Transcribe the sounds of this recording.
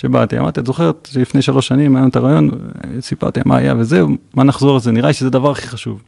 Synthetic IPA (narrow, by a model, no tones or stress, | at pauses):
ʃeba̰t̪ia̰ma̰ʁt̪iat̪zo̞χe̞ʁet̪ʃelifnejʃalo̞ʃːanimajomt̪aʁaːjo̞nsipa̰ʁt̪ia̰ma̰ːja̰vezeumanaχzo̞ʁlzeniʁaliʃezed̪avaʁaχiχaʃuv